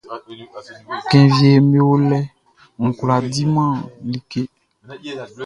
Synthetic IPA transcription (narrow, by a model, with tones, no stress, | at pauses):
kɛ̃˨vi˨e˨me˦wo˦lɛ˦ | ŋ̩˨kla˨di˦mã˦˨li˦ke˦